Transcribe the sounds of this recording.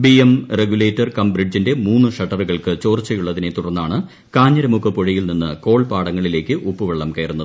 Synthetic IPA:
biemreɡuleːtːɐrkɐmbrid͡ʑinde̞muːnːɨʂɐʈːɐrɣɐɭkɨt͡ɕo̞ːrt͡ɕːɐjuɭːɐðinet̪uɽɐrnːaːɳɨ | kaːɲːɐɾɐmukːɨpoɻɐjilninːɨko̞ːɭpaːɽɐŋːɐɭile̞ːkʲːɨʔupːɨʋeɭːɐmkɐjɐrunːɐðɨ

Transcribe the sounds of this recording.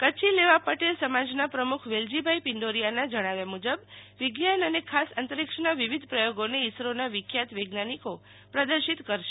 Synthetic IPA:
kət͡ʃʰileʋapəʈelsəmad͡ʒnapɾəmukʰʋeld͡ʒibʱaipɪɳɖoɾijanad͡ʒəɽ̃aʋjamud͡ʒəbʋɪɡjanənekʰasənt̪əɾikʃənaʋiʋid̪ʱpɾəjoɡoneisɾonaʋɪkʰjat̪ʋeɡnaniko | pɾəd̪əɾʃit̪kəɾʃe

